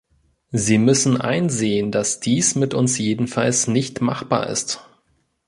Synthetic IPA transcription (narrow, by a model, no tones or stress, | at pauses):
ziːmʏsn̩ʔa̰ɪnzeːəndasd̥iːsmɪtʔʊnsjeːdn̩falsnɪçtma̰χb̥a̰ːɐʔɪ̰st